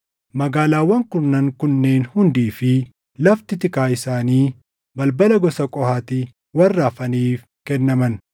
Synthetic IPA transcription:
mɐɡaːlaːwːɐŋkʊnːɐŋkʊnːe̞ːnhʊnd̪iːfɪ | lɐft̪ɪt̪ɪkaːɪsaːniː | bɐlbɐlɐɡɔsɐkʼɔhaːt̪i | wɐrːaːfɐniːf | kɛnːɐmɐn

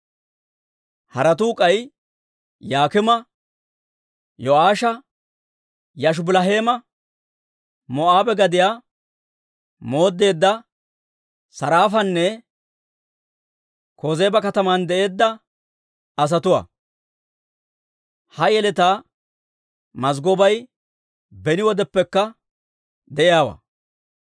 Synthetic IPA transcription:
hɐɾɐt̪̬uːkʼɐj | jaːkɪmɐ | jɔaːʃɐ | jɐʃ̬ʊbɪlɐɦe̞ːmɐ | mɔʔaːbɛɡɐd̪ɪjaː | mo̞ːd̪ːe̞ːd̪ːɐ | sɐɾaːfɐnːɛ | koːze̞ːbɐkɐt̪ɐmand̪ɛʔe̞ːd̪ːɐ | ɐs̬ɐt̪ʊwa̰ː | hɐjɛlɛt̪aː | mɐzɡɔbɐj | bɛnɪwɔd̪ɛpːɛkːɐ | d̪ɛʔɪjaːwɐ̰a̰ː

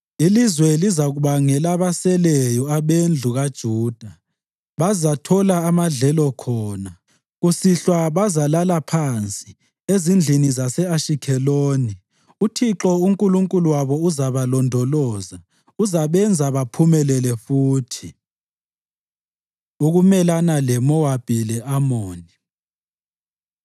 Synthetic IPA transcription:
ilizwɛlizaɣuβaŋɛlaβasɛlɛjɔaβend͡ɮʱuɣad̥ʒ̥ʱuːd̥ʱa | βazatʰɔlaːmaɮɛlɔkʰɔːna | ɣusiɬwaβazalalapʰant͡sʼi | ezind͡ɮʱinizasɛaʃikʰɛloːni | utʰiǁɔuŋkʼuluŋkʼuluwaβɔuzaβalɔndʱɔlɔːza | uzaβɛnd͡zʱaβapʰumɛlɛlɛfuːtʰi | uɣumɛlanalɛmɔwab̥ʱilɛʔamoːni

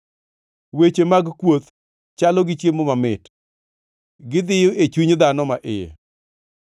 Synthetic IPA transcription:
wet͡ʃemaɡkwot̪ | t͡ʃalɔɡɪt͡ʃjemomamɪt | ɡɪd̪ɪjʊʔet͡ʃuɲd̪anɔmaʔɪjḛ

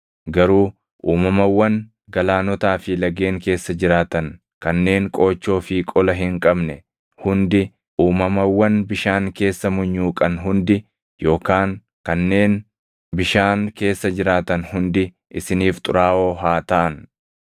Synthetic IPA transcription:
ɡɐɾuː | ʔuːmɐmɐwːɐŋ | ɡɐlaːnɔt̪aːfɪlɐɡeːŋke̞ːsːɐd͡ʒɪɾaːt̪ɐŋ | kɐnːe̞ːŋkʼo̞ːt͡ʃːo̞ːfɪkʼɔlɐɦɪŋkʼɐbnɛ | hʊnd̪ɪ | ʔuːmɐmɐwːɐnbɪʃaːŋke̞ːsːɐmʊɲːuːkʼɐnɦʊnd̪ɪ | jo̞ːkaːŋ | kɐnːe̞ːn | bɪʃaːŋke̞ːsːɐd͡ʒɪɾaːt̪ɐnhʊnd̪ɪ | ʔɪsɪniːft̪ʼʊɾaːʔo̞ːɦaːt̪ɐʔɐn

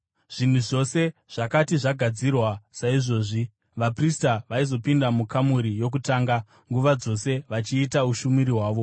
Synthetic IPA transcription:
ʐ̥in̤uʐo̞se̞ʐ̥akatiʐaɡʱad͡zirwasaiʐo̞ːʐi | ʋapristaʋaizo̞pindamukamuɾijo̞k̬utaːŋɡa | ŋɡuʋad͡zo̞se̞ʋat͡ʃiːtauʃumiɾiɦwaːʋo̞

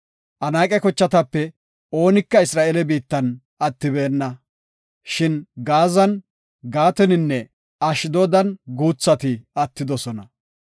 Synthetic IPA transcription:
ʔɐnaːkʼɛkɔt͡ʃːɐt̪ɐpːɛ | o̞ːnɪkːɐɪsɾaːʔelɛbiːt̪ːɐn | ɐt̪ːɪbeːnːɐ | ʃɪnɡaːzɐn | ɡaːt̪ɛnɪnːɛ | ɐʃɪd̪oːd̪ɐnɡuːt͡sːɐt̪ɪɐt̪ːɪd̪ɔsɔnɐ

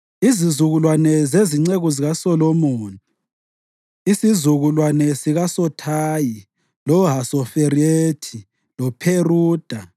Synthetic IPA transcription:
izizuɣulwanɛzeziŋ͡ǀeɣuziɣasɔlomoːni | isizuɣulwanɛsiɣasɔtʰaːji | lɔɦasɔfeɾietʰi | lɔpʰeruːd̥ʱa

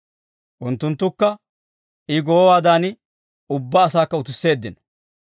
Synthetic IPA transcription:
ʔʊnt̪ːʊnt̪ːʊkːɐ | ʔɪɡɔːwaːd̪aːnɪ | ʊbːaːsaːkːɐʊt̪ɪsːe̞ːd̪ːɪnɐ

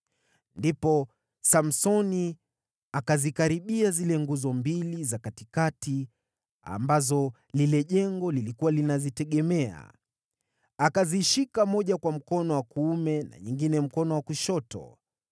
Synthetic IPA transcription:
ndipɔ | sam̩sɔni | akazikaɾiɓiazilɛŋɡuzɔmbilizakatikati | a̰mbazɔ | lilɛʄɛŋɡɔlilikuwalinazitɛɠɛmɛa̰ | akaziʃikamɔʄakwam̩kɔnɔwakuumɛna̰ɲiŋɡinɛm̩kɔnɔwakuʃɔtɔ̰

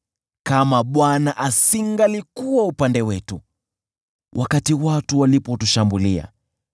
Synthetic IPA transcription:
kamaɓwanaʔasiŋɡalikuwaupandɛwɛtu | wʔakatiwatuwalipɔtuʃambulia̰

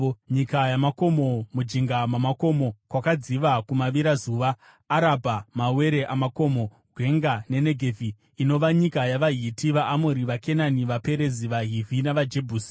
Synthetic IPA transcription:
ɲikajamako̞mo̞mud͡ʒiŋɡamamako̞mo̞kwakad͡ziʋakumaʋiɾazuːʋaː | ɾabʱamawe̞ɾe̞ʔamako̞mo̞ | ɡʱwe̞ŋɡane̞ne̞ɡʱevʱiː | no̞ʋaɲikajaʋaɦitiʋaʔːmoɾiʋake̞naniʋape̞ɾe̞ziʋaɦivʱinaʋad͡ʒe̞bʱuːsi̥

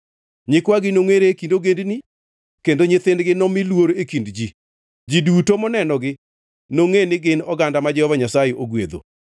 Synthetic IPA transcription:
ɲɪkwaɡɪnoŋeɾekindoɡendni | kendoɲɪt̪ɪndɡɪnɔmɪlwoɾoekindd͡ʒi | d͡ʒidutomɔnɛnɔɡɪ | noŋenɪɡɪnɔɡandamad͡ʒɛhɔvaɲasajeʔoɡwḛd̪o̰

